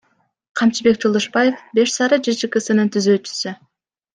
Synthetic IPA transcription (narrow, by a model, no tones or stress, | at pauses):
qʰɑmt͡ʃibe̞k̚d͡ʒolˠd̪oʃbɑje̞fbe̞ʃsɑɾɯd͡ʒit͡ʃɯkɯsɯnɯnt̪ʰyzøːt͡ʃy̥sy